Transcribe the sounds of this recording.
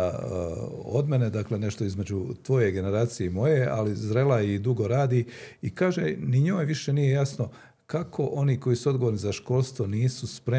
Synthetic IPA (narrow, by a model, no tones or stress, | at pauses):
o̰d̪me̞ned̪akle̞ne̞ʃt̪o̞izme̞d͡ʑut̪ʋo̞je̞ɡe̞ne̞ɾaːt̪sijeimo̞je̞a̰lizɾe̞laid̪uɡo̞ɾaːd̪iikaːʒeniɲoːjʋiʃe̞nije̞jasno̞ | kakʰo̞ʔo̞niːko̞jisuod̪ɡo̞ʋoɾnizaʃko̞ːlˠst̪ʋo̞niːsuspɾe